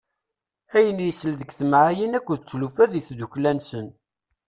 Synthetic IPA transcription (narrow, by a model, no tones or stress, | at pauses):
æjənjəsəlðəɡθəmʕajinækʷːuðt͡sːlufæðiθd̪uklænsən